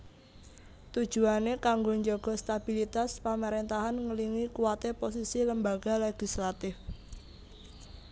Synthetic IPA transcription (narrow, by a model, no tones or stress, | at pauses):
t̪ud̥ʒ̥ṳanekaŋɡoɲd͡ʒɔɡ̥ɔ̤st̪ab̥ilit̪aspamaɾent̪aɦanŋəliŋikuwat̪epos̬isiləmbaɡ̥a̤leɡ̥islat̪ɪf